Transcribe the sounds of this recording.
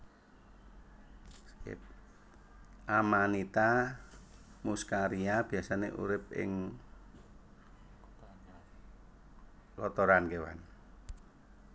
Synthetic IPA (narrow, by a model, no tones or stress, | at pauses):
p̚ | ʔamanit̪a | muskaɾiab̥iasaneʔṵɾɪp̚ɪ̰ŋ | kɔt̪ɔɾankewa̰n